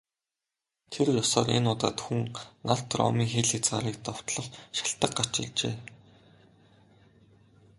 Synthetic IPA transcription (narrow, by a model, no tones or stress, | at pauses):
t̪ʰerjɔsɔːrḛnʊːt̪aːt̪xuŋnaɬt̪rɔ̰ːmiːŋxeːɮxet͡sɢaːɾiːk̚t̪ɔw̥t̪ɮɞ̆χʃḁɬt̪ə̆qɢḁt͡ɕɪ̆ɮt͡ɕeː